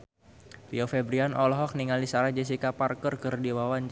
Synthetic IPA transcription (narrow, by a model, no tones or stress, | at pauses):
pḭofɛbɾianʔɔlɔɦɔk̚niŋalisaɾad͡ʒɛs̬ikaparkərkɨrdiwawan